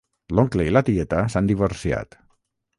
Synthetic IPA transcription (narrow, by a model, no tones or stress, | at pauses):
loŋkleilat̪iet̪asand̪iβoɾsia̰t̪